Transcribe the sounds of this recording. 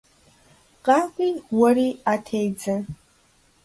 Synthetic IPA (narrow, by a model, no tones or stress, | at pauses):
qʼaːkʷʼiːwɐɾiːatʰejd͡zɐ